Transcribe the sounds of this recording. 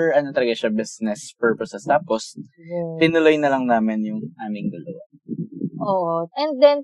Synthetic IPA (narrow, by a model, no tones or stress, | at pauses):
pɛɹʔɐnot̪ɐlɐɡɐʃɐbɪsnɛspɛɹposɛst̪aːpost̪ɪnʊlo̞jnɐlɐŋnaːmɪnjʊŋʔaːmɪŋd̪ɐlɐwa | ʔoʔoʔɛnd̪ɛn